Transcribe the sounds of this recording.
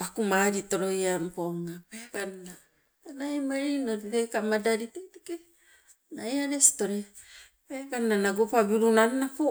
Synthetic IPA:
pakumaɾito̞ɾojampoŋːapekanna | najmaɾinoɾtekamadaɾiteteke | najaɾesi̥to̞ɾe | pekannanaɡopabiɾunaɾenapo

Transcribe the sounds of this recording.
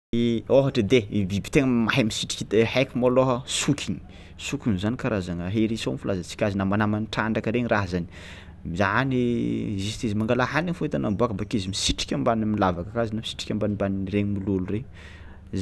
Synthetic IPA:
oɦaʈ͡ʂəd̪eibibi̥t̪eŋəmaɦimisiʈ͡ʂi̥kʲid̪ehakʲimoloɦəsukʰʲini̥ | sukʲinzanikaɾazaŋəɦeɾisomifulʔazat͡si̥kʲazinamanamaniʈ͡ʂaɳɖ͡ʐakəɾeɲiɾaɦzani̥ | mizaɦanizist̪izimaŋɡalaɦaniŋfuit̪anambuakəmbakizimisiʈ͡ʂi̥kʲambanimilavakəkazinamisi̥ʈ͡ʂi̥kʲambanimbaniɾeɲimilulure | z

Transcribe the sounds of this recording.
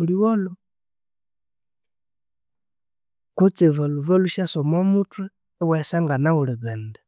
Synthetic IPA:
uliwɔlɔ | kut͡sivaluvaluʃasɔmamutʰwɛ | wɛsaŋɡanaulɛβɛndɛ

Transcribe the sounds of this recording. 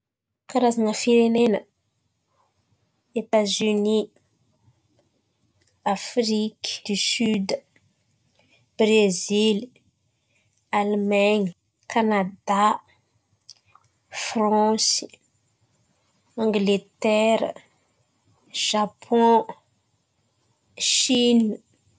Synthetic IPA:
kaɾazanəfiɾenenə | et̪azyni | afɾikd̪isyd̪ | b̥ɾezil | almaɲ | kanad̪a | frɑ̃s | ɑ̃ŋɡlet̪ɛɾ | ʒ̥apʰɔ̃ | ʃin

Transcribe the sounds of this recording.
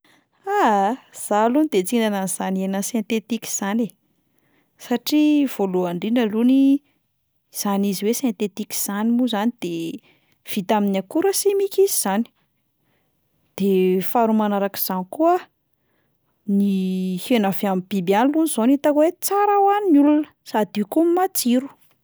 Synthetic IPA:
az̥alunid̪et͡sinɖ͡ʐananiz̥anienəsẽnt̪et̪iki̥z̥ane | saʈ͡ʂiv̥oluaɳɖ͡ʐinəluni | z̥aniziwesẽnt̪et̪iki̥z̥animuzanid̪̥e | v̥it̪aminakuɾəsimikiziz̥ani̥ | d̪̥efaɾumanaɾaki̥z̥anikuə | nihenaveamibibanlunizonit̪akwet͡saɾawaninulunə̥sad̪ikumimat͡siɾu̥

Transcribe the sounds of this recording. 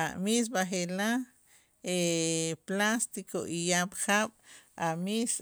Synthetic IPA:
amis̬baχela | eplast̪ikoʔijaɓχaːɓ̥amis

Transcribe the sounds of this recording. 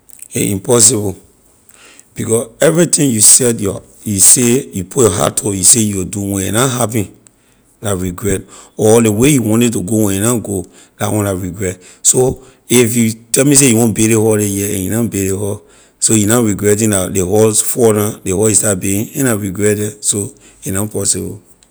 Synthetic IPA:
eĩmpɔs̬ibɔ | b̥ikɔsɛvɹitĩŋjusɛtjɔ | jusejupʰutjɔɦa̰tʰɔjusejuduwɛ̃jɛnaɦapĩn | laɹiɡɹɛtɔlewejuwɔ̃ntɛtuɡowɛ̃jɛnaɡo | datwɔ̃nlaɹiɡɹɛt | so | ifjutɛlmis̬ejuwɔ̃nbeɾehɔlejɛɛ̰̃njunabeɾehɔ | sojunaɹiɡɹɛtĩndadeɦɔsfɔnãdehɔjistabeĩnɛ̃naɹiɡɹɛtdɛso | inapɔsibɔ̰

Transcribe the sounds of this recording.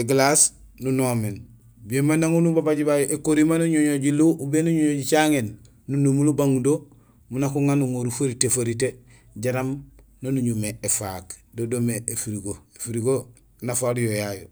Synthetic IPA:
eɡlas | nunomen | biemanaŋunubabaɟibajoʔekoɾimanuɲoɲoɟiluʔubenuɲoɲoɟit͡ʃaŋenː | unumulubaŋdo | munakuŋanuŋoɾufoɾitefoɾite | ɟaɾam | nonuɲumeefakdodomeʔefiɾiɡoefiɾiɡo | nafaljojajo̰

